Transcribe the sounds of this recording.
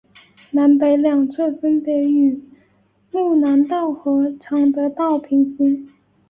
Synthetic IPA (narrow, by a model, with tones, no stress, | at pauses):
na˧˥npe˧˥ɪljɑ˨˩ŋt͡sʰwə˥˩fə˥npjɛ˧˥y˨˩ | lu˥˩na˧˥nt̪ɑ˥˩ʊxɤ˧˥ʈ͡ʂʰɑ˨˥˩ŋd̪ə˧˥t̪ɑ˥˩ʊpʰi˧˥ŋɕi˥n